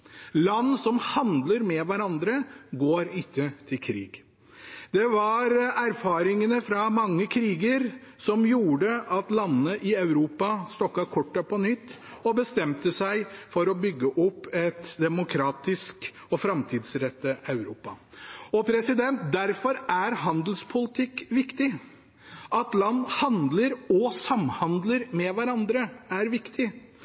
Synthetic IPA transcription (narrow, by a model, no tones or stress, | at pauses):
lɑnːsɔmhɑnd̪ləɾmɛʋæɾɑnd̪ɾəɡoːɾɪtːət̪ʰɪlkʰɾḭːɡ | d̪ɛʋɑɾæɾfɑːɾɪŋənəfɾɑmɑŋːəkʰɾiːɡəɾ | sɔmjuːɖəʔɑt̪lɑnːəʔɪɑʉɾuːpɑst̪ɔkːɑkʰɔʈːɑpʰɔnʏt̪ː | ɔbəst̪ɛmt̪əsæɪfɔɾɔbʏɡːəʔɔpːɛt̪d̪ɛmʊkʰɾɑːt̪ɪsk | ɔfɾɑmt̪ʰiːd̪sɾɛt̪ːəɑʉɾuːpɑ | ɔpʰɾɛsɪd̪ɛnt̪̚d̪æɾfɔɾæɾɦɑnd̪lspʰʊlɪt̪ʰɪkːʋɪkt̪ɪ | ʔɑt̪lɑnːhɑnd̪ləɾɔsɑmhɑnd̪ləɾmɛʋæɾɑnd̪ɾəæɾʋɪkt̪ʰɪ